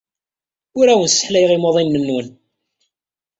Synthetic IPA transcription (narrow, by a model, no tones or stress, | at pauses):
ʊɾæwənsə̥ħlæjʁimoðˤimnəmnwən